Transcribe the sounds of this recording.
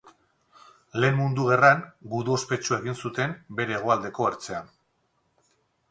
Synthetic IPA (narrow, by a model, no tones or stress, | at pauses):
le̞ːmːund̪uɣe̞raŋɡuðuospe̞t͡ʃue̞ɣinsut̪e̞mbe̞ɾe̞ːɣ̞oald̪e̞ko̞eɾt͡se̞an